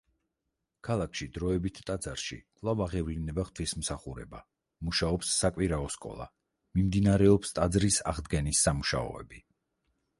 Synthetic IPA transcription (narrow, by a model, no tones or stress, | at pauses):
kʰalˠakʰʃid̪ɾɔɛbit̪ʰt̪ʼad̪zaɾʃḭkʼlˠavaʁɛvlinɛbaχt̪ʰwismsaχuɾɛ̰ba | muʃaɔpsːakʼwiɾaɔskʼɔ̰lˠa̰ | mimd̪inaɾɛɔpst̪ʼad̪zɾisa̰ʁd̪ɡɛnisːamuʃa̰ɔ̰ɛ̰bi